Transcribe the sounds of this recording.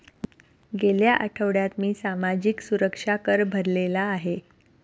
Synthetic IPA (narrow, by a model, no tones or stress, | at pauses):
ɡeljaʔəʈʰəʋɽjat̪miːsamad͡ʑiksuɾəkʂakəɾbʱəɾlelaːɦe